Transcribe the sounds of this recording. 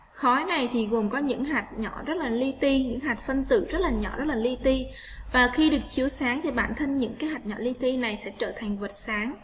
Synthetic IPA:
xɔ˨˦jna˨˩jt̪ʰi˨˩ɣu˨˩nkɔ˨˦ɲɨ̰˧˥ŋɦaː˨˩jt̚ɲɔ̰˧˩˨zə˦˥t̚laː˨˩li˧t̪i˧ɲɨ̰˧˥ŋɦaː˨˩t̟̚fə˧nt̪ɨ̰˧˩zə˦˥t̚laː˨˩ɲɔ̰˧˩˨zə˦˥t̚laː˨˩li˧t̪i˧ | vaː˨˩xi˧ɗɨ˨˩ək̚t͡ɕi˨˧əwsaː˨˦ŋt̪ʰi˨˩ɓaː˧˩nt̪ʰə˧ŋɲɨ̰˧˥ŋkaː˨˦jɦaː˨˩t̚ɲɔ̰˧˩li˧t̪i˧na˨˩jsɛ̰˧˥t͡ɕəː˧˩t̪ʰa˨˩ŋ̟və˨˩t̚saː˨˦ŋ

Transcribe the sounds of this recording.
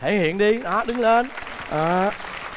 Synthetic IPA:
e˧˩hḭ˧˨ənɗi˧ɗa˨˦ɗɨ˨˦ŋle˧n | ʔəː˨˩

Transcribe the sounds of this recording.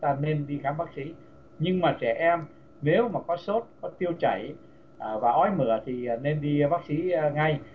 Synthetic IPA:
t̪aː˧ne˧nɗi˧xaː˨˦mɓaː˦˥k̚si˨˦ | ɲɨ˧ŋmaː˨˩t͡ɕɛ˧˩ʔɛ˧m | ne˨˦wmaː˨˩kɔ˨˦so˦˥t̚kɔ˨˦t̪i˧əwt͡ɕa̰˧˩j | ʔvaː˨˩ʔɔ˧˦jmɨ̰˧˩˨ət̪ʰi˨˩˨ne˧nɗi˧ɓaː˦˥k̚si˨˦˧ŋa˧j

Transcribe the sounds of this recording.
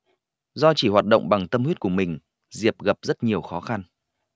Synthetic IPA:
zɔ˧t͡ɕi˧˩hwaː˨˩t̚ɗo̰˧˨wŋ͡mɓa˨˩ŋt̪ə˧mhwi˦˥t̚ku˧˩əmï˨˩ŋ̟ | zi˨˩əp̚ɣə˨˩p̚zə˦˥t̚ɲi˨˩əwxɔ˨˦xa˧n

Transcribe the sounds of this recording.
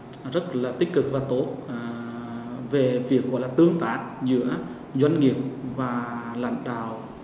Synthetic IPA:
zə˦˥t̚laː˨˩t̪ï̟˦˥kɨ˨˩k̚vaː˨˩t̪o˨˦˥t̚ | ve˨˩vi˨˩ək̚ːɔ̰˧˥˦jlaː˨˩t̪ɨ˧əŋt̪aː˧˦˩k̚zɨ̰˧˥ə | zwa˧jŋŋi˨˩əp̚vaː˨˩la̰˧˥jŋɗaː˨w

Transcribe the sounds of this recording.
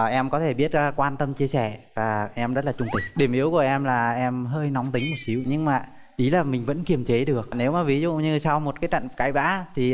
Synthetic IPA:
ʔɛ˧mkɔ˨˦t̪ʰe˧˩ɓi˦˥ət̚ːkwaː˧nt̪ə˧mt͡ɕi˧əsɛ˧˩vaː˨˩ʔɛ˧mzə˦˥t̚laː˨˩t͡ɕʊ˧ŋ͡mt̪ï˨˩k̟̚ɗi˧˩əmʔi˨˦əwku˧˩əʔɛ˧mlaː˨˩ʔɛ˧mɦəː˧jnɔ˨˦wŋ͡mt̪ï˨˦ŋ̟mo˨˩t̚si˨˦wɲɨ˧ŋmaː˨˩ | ʔi˨˦laː˨˩mï˨˩ŋ̟və̰˧˥nki˨˩əmt͡ɕe˨˦ɗɨ˨˩ək̚ne˨˦wmaː˨˩vi˨˦zṵ˧˨ɲɨ˧sa˧wmo˨˩t̚kaː˨˦t͡ɕa̰˧˨ŋkaː˨˦jɓa̰ː˧˥t̪ʰi˨˩

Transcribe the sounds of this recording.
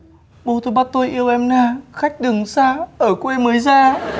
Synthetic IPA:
ɓo˧˩t̪ʰo˧˩ɓaː˧˥t̪o˧jʔi˧ə˧wʔɛ˧mnaː˧xa˦˥jk̟̚ɗɨ˨˩əŋsaː˧ʔəː˧˩kwe˧məː˨˦jzaː˧

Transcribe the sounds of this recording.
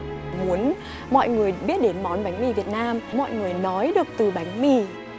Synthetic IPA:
mu˨˦ən | mɔ̰˧˨jŋɨ˨˩əjɓi˦˥ət̚ɗe˨˦nmɔ˨˦nɓa˨˦jŋ̟mi˧˩vi˨˩ət̚naː˧mmɔ̰˧˨jŋɨ˨˩əjnɔ˨˦jɗɨ˨˩ək̚t̪ɨ˨˩ɓa˨˦jŋ̟mi˧˩

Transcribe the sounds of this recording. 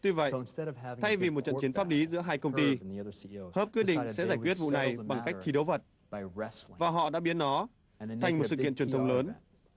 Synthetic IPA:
t̪wi˧və̰˧˨ʔnstɛɾv̥vt̪ʰa˧jvi˨˩mo˨˩t̚t͡ɕə̰˧nt͡ɕi˨˦ənfaː˦˥p̚li˨˦zɨ̰˧˥əɦaː˧jkə˧wŋ͡mt̪i˧iʌðəohəː˦˥p̚ki˦˥əɗḭ˧ŋssɛ̰˧˥aː˧˩jkwi˦˥ət̚vṵ˧˨na˨˩jɓa˨˩ŋka˦˥kt̪ʰi˨˦ɗə˨˦wvə˨˩t̚ | bɪɛsvaː˨˩ɦɔ̰˧˨ɗa̰ː˧˥ɓi˨˦ənnɔ˨˦ | a˨˩jŋ̟m˨˩sɨ̰˧˨kḭ˧ənt͡ɕwənt̪ə˧ŋ͡mləː˨˦n

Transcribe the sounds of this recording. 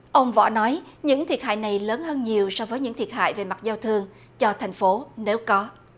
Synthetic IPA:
ʔə˧wŋ͡mvɔ̰˧˩˥nɔ˨˦jɲɨ̰˧˥ŋt̪ʰi˨˩ət̚ha̰ː˧˨jna˨˩jləː˨˦nhəː˧nɲi˨˩əwsɔ˧vəː˨˦jɲɨ̰˧˥ŋt̪i˨˩ət̚ha̰ː˧˨jve˨˩ma˨˩t̚zaː˧wt̪ʰɨ˧əŋ | t͡ɕɔ˧t̪ʰa˨˩jŋ̟fo˨˦ne˨˦wkɔ˨˦

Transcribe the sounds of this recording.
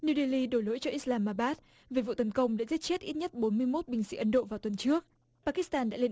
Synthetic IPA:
nu˧ɗe˧li˧ɗo˧˩jlo̰˧˥jt͡ɕɔ˧ʔi˦˥slaː˧mːaː˧˩ɓaː˦˥t̚ | ve˨˩vṵ˧˨t̪ə˨˦nkə˧wŋ͡mɗa̰ː˧˥zi˦˥t̚t͡ɕe˦˥t̚ʔi˦˥t̚ɲə˦˥t̚ɓo˨˦nmɨ˧əjmo˦˥t̚ɓï˨˩ŋ̟sḭ˧˥ʔə˨˦nɗo̰˧˨vaː˨˩wt̪wə˨˩nt͡ɕɨ˦˥ək̚ | paː˧ki˦˥st̪aː˧nɗa̰ː˧˥le˧n

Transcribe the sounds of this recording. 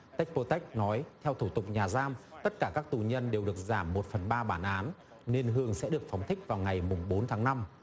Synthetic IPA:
t̪a˦˥k̟̚po˧t̪ɛ˦˥k̟̚nɔ˨˦jt̪ʰɛ˧wt̪ʰu˧˩t̪ʊ˨˩k͡p̚ɲaː˨˩zaː˧mt̪ə˦˥t̚kaː˧˩kaː˦˥k̚t̪u˨˩ɲə˧nɗe˨˩wɗɨ˨˩ək̚zaː˧˩mːo˨˩t̚fə˨˩nɓaː˧ɓaː˧˩nʔaː˨˦n | ne˧nɦɨ˧əŋsɛ̰˧˥ɗɨ˨˩ək̚fa˨˦wŋ͡mt̪ʰï˦˥k̚vaː˨˩wŋa˨˩jmʊ˨˩ŋ͡mɓo˨˦nt̪ʰaː˨˦ŋna˧m

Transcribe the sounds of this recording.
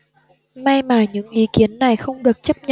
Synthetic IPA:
ma˧jmaː˨˩ɲɨ̰˧˥ŋʔi˨˦ki˨˦ənːa˨˩jxə˧wŋ͡mɗɨ˨˩ək̚t͡ɕə˦˥p̚ɲə̰˧˨

